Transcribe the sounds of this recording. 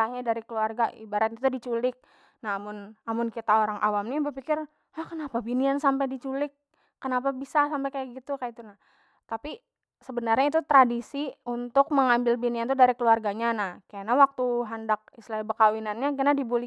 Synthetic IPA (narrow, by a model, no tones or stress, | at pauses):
ahɲadaɾikəluarɡaʔḭbaɾat̪̚at̪udit͡ʃulɪk̚ | nahamʊnamʊnkit̪aoɾaŋʔawamnibərpikɪr | ahkənapabiniansampajdit͡ʃulɪk̚ː | ənapabisasampajkajaɡit̪ukajat̪unah | t̪api | səbənarɲait̪ut̪ɾadisiunt̪ʊk̚məŋambɪlbiniant̪udaɾikəluarɡaɲanahkaanawak̚t̪uɦandak̚islaibəkawinanɲakanadibulɪ